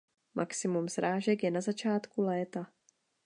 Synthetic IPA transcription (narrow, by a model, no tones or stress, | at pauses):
mʔa̰ksɪmumsɾaːʒɛkjɛnazat͡ʃaːt̪kulɛːt̪a